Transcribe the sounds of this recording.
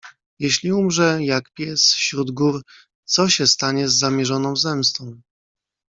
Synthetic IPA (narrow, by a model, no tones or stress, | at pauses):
jɛɕlʲiumʐɛjakpʲjɛsfɕɾud̪ɡuɾ | t̪sɔɕɛst̪aɲɛzːamʲjɛʐɔnɔ̃w̃zɛmst̪ɔ̃w̃